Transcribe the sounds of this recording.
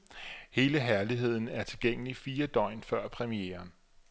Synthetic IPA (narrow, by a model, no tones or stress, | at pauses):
he̝ːləɦæɐliɦe̝ð̞̰ˠn̩æɐt͡sʰe̝lɡ̥eŋ̰əlifiːɐd̥ɒ̽ɪ̰nfɶɐ̰pʰʁɛmieːɐn